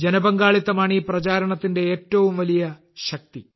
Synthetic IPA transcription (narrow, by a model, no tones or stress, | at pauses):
d͡ʑenɐbɐŋɡaːɭit̪ːɐmaːɳiprɐt͡ɕaːɾɐɳɐt̪ːinde̞eːtːɐʋumʋɐlijɐ | ɕɐk̚t̪i